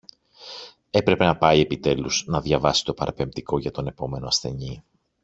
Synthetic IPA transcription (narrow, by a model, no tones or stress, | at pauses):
e̞pɾe̞pe̞nɐpɐie̞pit̪e̞luznɐðʝɐvɐsi̥t̪o̞pɐɾɐpe̞mt̪iko̞ʝɐt̪o̞ne̞po̞me̞no̞ɐsθe̞̰ni